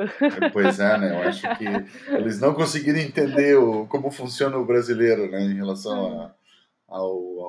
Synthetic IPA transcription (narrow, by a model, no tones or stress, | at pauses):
pojzɛnɛewaʃʊkɪelɪznɐ̃w̃kõsɪɡiɾɐ̃ẽnt̪ẽnd̪eɾʊkõmʊfũsjõnɐʊbɾazileɾʊnɛẽj̃helasɐ̃w̃a | aw